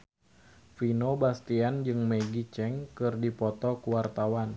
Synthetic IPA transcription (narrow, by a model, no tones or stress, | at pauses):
finobast̪iand͡ʒɨŋmɛɡit͡ʃɛŋkɨrdipɔt̪ɔkuwart̪awan